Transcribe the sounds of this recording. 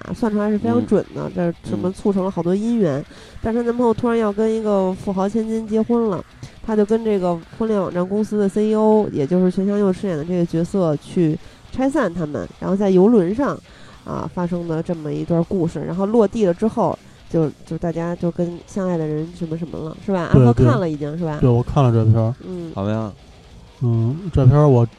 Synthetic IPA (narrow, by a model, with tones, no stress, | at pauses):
a̰˧˩swa˥˩nʈ͡ʂʰlʂɻ̩˥˩fe˥ɪɑ˧˥ŋʈ͡ʂwə̰˨˩nd̪ə̰˦ʈ͡ʂə˥˩ʂə˧˥mə˧t͡sʰu˥˩ʈ͡ʂʰɤ˧˥lə˧xɑ˨˩ʊt̪wɔ˥i˥nɥɛ˧˥n | t̪a˥˩nʈ͡ʂ̪ʰa˥na˥˩ə˧˥xo˥˧ʊt̪ʰu˥ɻa˧˥njɑ˥˩ʊkə˥ni˧˥ɡə˧fu˥˩xɑ˧˥ʊt͡ɕʰjɛ˥nt͡ɕi˥nt͡ɕjɛ˥xwə˥nlə̰˨˩ | t̪ʰa˥t͡ɕjo˥˩ʊkə˥nʈ͡ʂɤ˥˩ɡə˩xwə˥nljɛ˥˩nwɑ̰˨˩ŋʈ͡ʂa˥˩nkʊ˥ŋsɹ̩˥d̪ə˨se˥ɪo˥ʊjɛ̰˨˩t͡ɕjo˥˧ʊʂɻ̩ʰ˥˩ɛ˧˥nɕjɑ˥ŋjo˥˧ʊʈ͡ʂ̩ʰ˥jɛ˨˩d̪ə˦ʈ͡ʂɤ˥˩ɡə˩t͡ɕɥɛ˧˥sɤ˥˧t͡ɕʰy˥˩ʈ͡ʂʰa˥ɪs̬a˥˩nt̪ʰa˥mə̰˨nɻa̰˧˥nxʊt͡sa˥˩ɪjo˧˥ʊlwə˧˥nʂɑ˥˧ŋ | ə̰˧˩fa˥ʂɤ˥ŋd̪ə˨ʈ͡ʂɤ˥˩mə˩i˧˥t̪wɐ˥˧ku˥˧ʂɻ̩˥˩ɻa̰˧˥nxo˥˧ʊlwɔ˥˧t̪i˥˩lə˩ʈ͡ʂɻ̩˥xo˥˩ʊ | t͡ɕjo˥˧ʊt͡ɕjo˥˧ʂt̪a˥˩t͡ɕja˥t͡ɕjo˥˩ʊkə˥nɕjɑ˥˧ŋa˥˩ɪd̪ə˩ɻə˧˥nʂə˧˥nmə˧ʂə˧˥nmə̰˧lə̰˧ʂɻ̩˥˩ba˨˩ʔa̰˥we˥˧ɪ˥t̪wʰe˥˧a˥˩lə˩i˧˥˩t͡ɕjɑ˥˧nʂɻ̩˥˩ba˩we˥˩wɔ˨˩kʰa˥˩nlə˩ʈ͡ʂɤ˥˩pʰjɑ˥n̩˥˩˨ | n̩˥˩ʈ͡ʂɤ˥˩pʰjɑ˥wɔ˨˩